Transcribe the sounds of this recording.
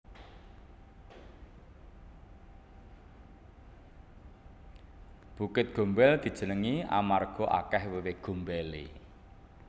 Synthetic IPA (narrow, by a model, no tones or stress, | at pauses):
b̥ṳkɪt̪̚ɡ̥o̤mbɛld̪̥i̤̥d͡ʒ̥ə̤nəŋia̰marɡ̥ɔ̤ʔa̰kɛhwewɪhɡ̥o̤mbɛlḛ